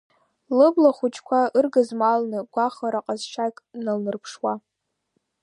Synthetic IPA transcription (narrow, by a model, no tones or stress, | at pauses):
lɨblaχʷut͡ʃʰʼkʷʰaɨrɡɨzmalnɨɡ̥ʷaχaɾaqʼazʃakʼnalnɨrpʰʂwa